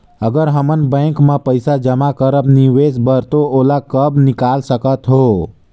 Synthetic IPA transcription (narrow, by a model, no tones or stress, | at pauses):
əɡəɾɦəmənbɛ̃kmãpəɪsad͡ʒəmakəɾəbniʋesbəɾt̪oolakəbnɪkalsəkət̪ɦoː